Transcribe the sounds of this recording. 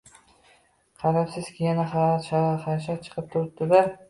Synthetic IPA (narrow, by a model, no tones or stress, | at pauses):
qʰɑɾapsɪz̥kʲʰɪjanaχaʃaχaʃ̬at͡ʃʰɨ̥qʰɨp̚t̪ʰʊɾt̪ːɪd̪aɾ